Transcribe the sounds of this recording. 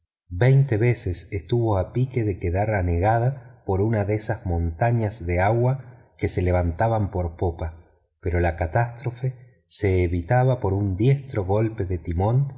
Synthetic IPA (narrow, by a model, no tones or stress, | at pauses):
bejnt̪eβe̞sesest̪uβo̞apike̞ðe̞keðaɾane̞ɣað̞apo̞ɾunaðesazmõ̞nt̪aɲazðe̞aɣwa | ke̞se̞le̞βant̪aβampo̞ɾpopa | pe̞ɾo̞lakat̪ast̪ɾo̞fe | se̞ːβit̪aβapo̞ɾund̪je̞st̪ɾo̞ɣo̞lpe̞ðe̞t̪imõ̞n